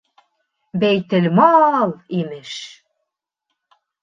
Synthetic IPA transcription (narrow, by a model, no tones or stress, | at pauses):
bæjt̪ɘ̆lʲmɑlˠimɘʃ